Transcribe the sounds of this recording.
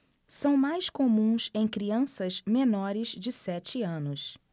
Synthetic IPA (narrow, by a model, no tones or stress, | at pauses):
sɐ̃w̃majskomũsẽj̃kɾiɐ̃sɐzmenɔɾɪzd͡ʒɪsɛt͡ʃɪɐ̃nʊs